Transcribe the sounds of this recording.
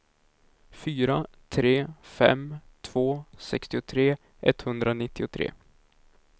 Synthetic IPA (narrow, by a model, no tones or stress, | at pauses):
fyːɾa | t̪ʰɾeːfɛ̰mt̪ʰv̥oːsɛkst̪ɪʊt̪ʰɾeː | ʔɛt̪ːhɵnd̪ɾanɪt̪ʰːɪʊt̪ʰɾḛː